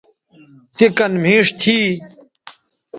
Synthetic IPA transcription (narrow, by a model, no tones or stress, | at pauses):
t̪ekɐnm̤ĩːʂt̪ʰiː